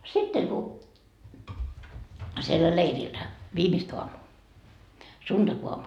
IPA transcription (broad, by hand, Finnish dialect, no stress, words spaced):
sitːeŋ ku sielːæ leirilːæ ʋiːmist oɑmuː sund̥ɑkoɑmu